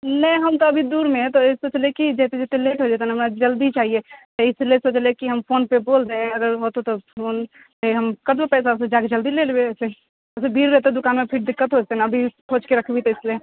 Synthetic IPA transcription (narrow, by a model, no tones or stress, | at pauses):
nɐ̃ĩɦɐmt̪oɐbʱid̪uːɾmẽɦɛ̃t̪osoːt͡ʃlekid͡ʒɛːt̪ed͡ʒɛt̪eleːʈɦoːd͡ʒɛːt̪enɦɐmnad͡ʒəld̪it͡ʃaːɦiet̪oɪsliesoːt͡ʃlekiɦɐmfʰoːnpeboːlt̪eɛ̃ɐɡəɾɦot̪ot̪opʰoːn | eɦɐmkɐbbepɛːs̬aʊs̬ed͡ʒaːked͡ʒəld̪ileːlbeɛːse | ɛsebʱiːɾɾɛɦt̪ẽd̪ʊkaːnmepʰɪɾd̪ɪkːət̪ɦod͡ʒɛt̪enaɐbʱikʰoːt͡ʃkeɾɐkʰbʱit̪oɪslie